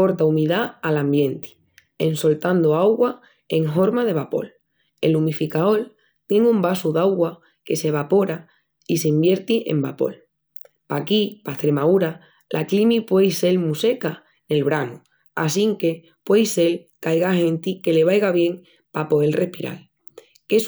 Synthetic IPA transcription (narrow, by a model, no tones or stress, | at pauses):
po̞ɾt̪aumiðaalãmbjẽ̞nt̪i̥ | enso̞lt̪and̪oawɣwa | e̞ŋɦo̞ɾmaðe̞βapo̞̰l | e̞̰lumifikao̞l | t̪je̞ŋumbasuðawɣwa | ke̞se̞β̞apo̞ɾa | iseimbje̞ɾt̪iʔe̞̰mbapo̞̰l | pakipaht̪ɾe̞mauɾa | lʔaklimipwe̞jse̞lmuse̞ka | ne̞lβɾanu | a̰siŋke̞ | pwe̞jse̞l | kajɣahẽ̞nt̪ike̞le̞βajɣaβje̞ŋ | papo̞e̞lrʔe̞hpiɾa̰l | ke̞s